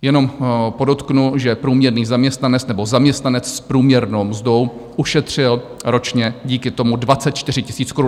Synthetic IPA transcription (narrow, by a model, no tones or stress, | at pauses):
jɛno̞mpo̞do̞t̪knuʒɛpɾuːmɲɛɾniːzamɲɛst̪nanɛt͡snɛbo̞zamɲɛst̪nanɛt͡sspɾuːmɲɛɾnowmzdo̞wʔuʃɛt̪r̝̥ɪl | ɾo̞t͡ʃɲɛɟiːkɪt̪o̞mudvat͡sɛt̪̚t͡ʃt̪ɪr̝ɪcɪ̥siːt͡skoɾu